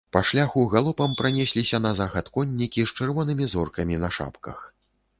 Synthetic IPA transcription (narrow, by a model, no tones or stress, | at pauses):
pɐʂlʲaxuɣalˠɔpɐmpɾanʲɛsʲlʲisʲɐnɐzaxɐt̪kɔnʲːikʲist͡ʂɨrvɔnɨmʲizɔrkɐmʲinɐʂa̰pkɐ̰x